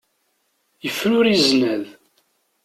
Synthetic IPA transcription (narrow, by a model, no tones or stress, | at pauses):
jəfːnʊɾiznæð